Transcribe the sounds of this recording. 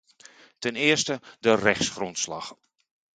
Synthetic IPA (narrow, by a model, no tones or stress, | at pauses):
tɛnɪːəɹstədərɛxsχrɔntslɑx